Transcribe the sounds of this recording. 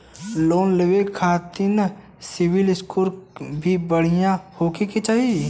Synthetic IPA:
loːnleʋekʰːaːt̪ɪn | sɪʋɪlɪskuːɾbʱibɐɽ̤ijãhoːkeket͡ʃaːɦie

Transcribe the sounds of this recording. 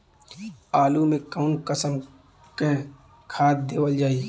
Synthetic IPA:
aːlumẽkaʊnkəsəm | ke | kʰaːd̪̚d̪eːwəld͡ʒaːiː

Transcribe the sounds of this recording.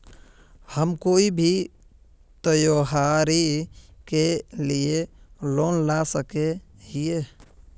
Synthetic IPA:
həmkoːibʱi | t̪əjoːɦaːɾikelieloːnlasəked͡ʒie

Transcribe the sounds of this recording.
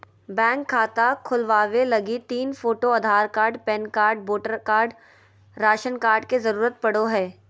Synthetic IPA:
bɛ̃ːŋkʰːaːt̪akʰʊlʋaːʋelɐɡit̪iːnfoːʈoɐd̪ʱaːɾkaːɾɖpɛnkaːɾɖ̚boːʈəɾkaːɾɖ | ɾaːʃənkaːɾɖkezɐɾuːɾət̪̚pɐɽoɦɛː

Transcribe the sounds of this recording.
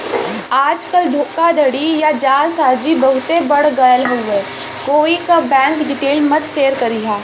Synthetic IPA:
aːd͡ʒkəld̪ʱoːkad̪ʱɐɽijad͡ʒaːlsaːɾd͡ʒibɐɦʊt̪ebɐɽ̤ɡɐjəlɦueː | koːikabɛ̃ːŋkɖɪʈeːlmɐt̪seːɾkɐɾiɦaː

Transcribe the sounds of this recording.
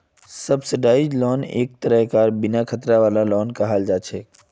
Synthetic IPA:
səbsɪɖaːɪd͡ʒlɔːnḛːk̚t̪əɾəɦkaːɾbɪnakʰət̪ɾaʋaːlalɔːnkaɦaːld͡ʒaːt͡ʃʰɛː

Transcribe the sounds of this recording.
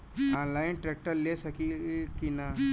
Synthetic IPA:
ãnlainʈɾek̚ʈəɾlesəkilkina

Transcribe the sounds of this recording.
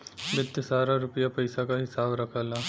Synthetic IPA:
bɪt̪ːsaːɾaɾʊpəjapɐɪsakaɦɪsaːbɾɐkʰaːlaː

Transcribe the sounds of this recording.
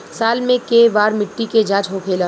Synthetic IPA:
saːlmẽkeʋaːɾmɪʈːiked͡ʒãːt͡ʃɦokʰeːla

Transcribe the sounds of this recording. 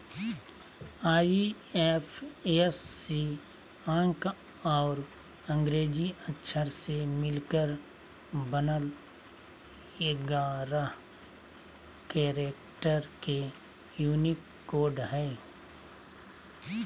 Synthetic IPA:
aːi | efʰesːi | ãːŋk | ɔːɾ | ə̃ŋɡɾeːd͡ʒiətːʃʰəɾsemɪlkəɾ | bənəl | eɡaːɾa | keːɾeːkʈəɾke | juːnɪkːoːɾɖɦɛː

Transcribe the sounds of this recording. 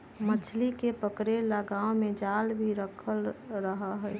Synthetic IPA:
mət͡ʃʰlikepəkɾelləɡaːomẽd͡ʒalbʱiɾəkʰəlɾəɦəɦə

